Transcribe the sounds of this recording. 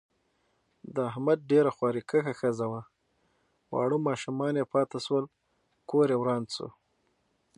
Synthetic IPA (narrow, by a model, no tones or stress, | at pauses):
d̪əaɦmad̪̚ɖeɾaxwɑɾikəxaxəzawa | wɑ̰ɽumɑʃumɑnjepɑt̪aʃwəl | koɾjewɾɑːnt͡so̰